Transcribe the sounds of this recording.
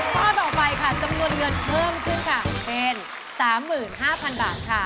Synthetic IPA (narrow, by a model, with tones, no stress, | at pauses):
t̪ʰɔː˥˩t̪ɔː˨˩pa˧jkʰa˥˩t͡ɕa˧mnu˧ənŋɤ˧npʰɤː˥˩mkʰɯ˥˩nkʰa˥˩pe˧n | saː˩˦mːɯː˨˩nɦaː˥˩pʰa˧nba̰ː˨˩t̪̚kʰa˥˩